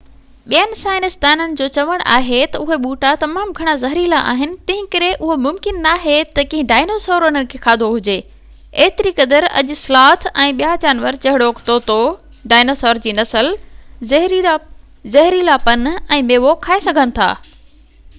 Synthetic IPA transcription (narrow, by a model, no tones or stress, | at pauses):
ɓijənɪ̆saːɪnɪst̪aːnənɪ̆d͡ʑoːt͡ɕɐʋəɽ̃ʔa̰ːɦet̪ɐʊɦeɓuːʈat̪ɐmaːmɡʱɐɽ̃azɐɦɾilaʔa̰ːɦɪnɪ̆t̪ɐ̃ɦɪ̃kɐɾeʔʊɦomʊmkɪnːaːɦet̪ɐkĩɦɪ̃ɖaːɪnoːsoːɾənənɪ̆kʰeːxʰaːd̪ʱoɦʊd͡ʑeː | eːt̪ɪɾikɐd̪əɾɐ̰ʄʊ̆slaːt̪ʰɛ̃ːɓijad͡ʑaːnʋəɾt͡ɕɐɦɪɽoːkt̪oːt̪o | ɖaːɪnoːsoːɾd͡ʑiːnɐsəlzɐɦɾ | zɐɦɾilaːpɐnɛ̃ːmeːʋokʰaːesɐɡʱənɪ̆t̪ʰa̰ː